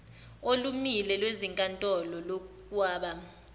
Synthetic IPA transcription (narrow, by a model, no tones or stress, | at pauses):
olumilɛlweziŋkʼantʼɔlɔlo | kʼwaːɓa